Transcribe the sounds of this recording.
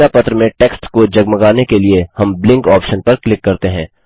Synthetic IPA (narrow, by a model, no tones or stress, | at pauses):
apɐt̪ɾəmẽʈeːksʈkod͡ʒɐɡməɡaːnekeliehɐ̃mblɪ̃ŋkɔːpʃənpɐɾklɪkːɐɾt̪eɦɛ̃ː